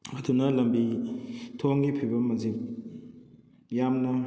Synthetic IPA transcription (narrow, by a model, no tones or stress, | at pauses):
ɐdunɐlɐmbitʰoŋɡipʰibɐmːɐzip̚ | jamnɐ